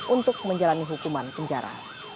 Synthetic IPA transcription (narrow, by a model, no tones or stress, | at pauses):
ʔunt̪ʊk̚məɲd͡ʒalaniɦukumanpəɲd͡ʒaɾa̰